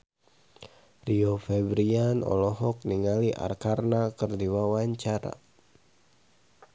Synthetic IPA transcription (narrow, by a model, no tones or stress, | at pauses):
riofɛbɾianɔ̰lɔɦɔk̚niŋaliʔa̰rkarnakərdiwawaɲt͡ʃaɾa̰